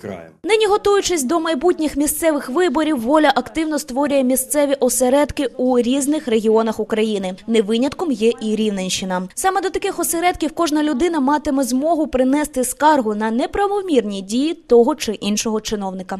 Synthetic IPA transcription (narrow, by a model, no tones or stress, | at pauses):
nɪnʲiɦɔt̪ujʊt͡ʃɪsʲd̪ɔmɐjbutʲnʲɪxmʲist̪sɛʋɪxʋɪbɔɾʲiwːɔlʲɐʔɐkt̪ɪwnɔst̪ʋɔɾʲʊjɛmʲist̪sɛʋʲiʔɔseɾɛd̪kɪuɾʲiznɪxre̞ɦʲiɔnɐxʊkɾɐjinɪneʋɪnʲɐt̪kɔmjɛʔiɾʲiwnenʲʃɪnɐsɑmɛd̪ɔt̪ɐkɪxɔseɾɛd̪̚kʲiwkɔʒnɐlʲʊd̪ɪnɐmɑt̪ɪmɛzmɔɦʊpɾɪnɛst̪ɪskɑrɦʊnɐnɛpɾɐʋɔmʲirnʲidʲijit̪ɔɦɔt͡ʃɪʔinʃɔɦɔt͡ʃɪn̪ɔwnɪkɐ